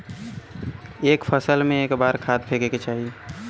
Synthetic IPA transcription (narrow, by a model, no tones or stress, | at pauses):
eːkpʰəsəlmẽeːkbaːɾkʰaːt̪̚pʰeːkeket͡ʃaːɦie